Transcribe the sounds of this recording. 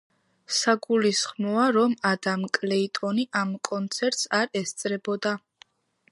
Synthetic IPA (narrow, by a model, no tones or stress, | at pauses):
saɡulisχmɔaɾɔmad̪amkʼlɛit̪ʼɔniʔamkʼɔnt̪sʰɛɾt̪ʼsaɾɛst̪sʼɾɛbɔd̪a